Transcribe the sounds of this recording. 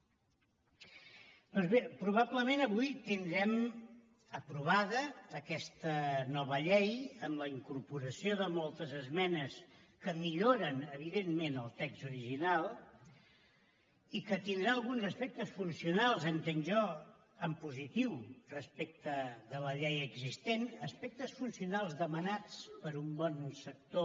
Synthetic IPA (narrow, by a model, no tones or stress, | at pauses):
d̪̥ɔnzβepɾuβ̞abləmenəβujt̪ind̪ɾɛm | əpɾuβ̞aðəːkɛst̪ənɔβəʎɛjəmləiŋkuɾpuɾəsioðəmɔlˠt̪əzəzmɛnəskəmiʎoɾənəβ̞iðemmenəlˠt̪ɛkz̥t̪uɾiʒinalˠ | ikət̪ind̪ɾaəlˠɣunzəspɛk̚t̪əsfunsiunalˠzəŋk̪ənʒɔ | əmpuzit̪iwrəspek̚t̪əðələʎɛjəɡzist̪enəspɛk̚t̪əsfunsiunalˠzðəmənat͡spəɾumbɔnsək̚t̪o